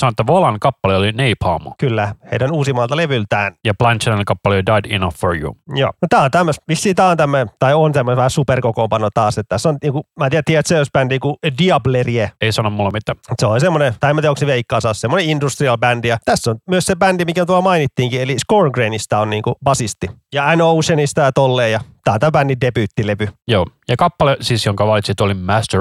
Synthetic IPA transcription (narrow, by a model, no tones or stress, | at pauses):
sɑnoet̪ːæʋolɑŋkɑpːɑleolineiphɑːmɑ̰kylːæheidænuːsimɑːlt̪ɑleʋylt̪æːnjɑplɑnʲt͡ʃinkɑpːɑledɑidinɑfːorjṵjo̰ːnot̪æːont̪æmːøsʋisːiːt̪æːont̪æmːøet̪ɑiont̪æmːøneʋæhæsuperkokoːmpɑnːot̪ɑːset̪t̪æsːonniːŋkumæːt̪ieæt̪ːiæt̪sejosbændikudiɑblerieeisɑnommulːɑmit̪ːæet̪seolisemːonet̪ɑiemːæt̪eoksiʋeikːɑːsɑːssemːoneindust̪riɑlbændijɑt̪æsːonmyøssebændimikæmt̪uɑlmɑinit̪ːiːŋkieliskoːrŋɡreinist̪ɑonniːŋkub̥ɑsist̪ijɑænoːusenist̪ɑjɑt̪olːeːjjɑt̪æːonæmbændindepyːt̪ːileʋyjoːjɑkɑpːɑlesisjoŋkɑʋɑlit̪sit̪olimæst̪ø